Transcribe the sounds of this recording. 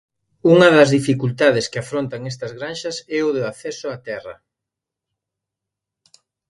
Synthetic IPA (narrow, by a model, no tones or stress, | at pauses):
uŋɐðɐzðifikult̪aðɪskɪafɾont̪ɐŋɛst̪ɐzɣɾanʃɐsɛʊðʊaθɛsʊat̪ɛrɐ̰